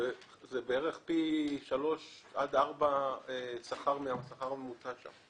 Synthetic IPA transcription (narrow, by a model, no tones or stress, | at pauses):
e | zebeeʁeχpiʃalo̞ʃad̪aʁbaesaχaʁmeasaχaʁmemut͡saʃa̰m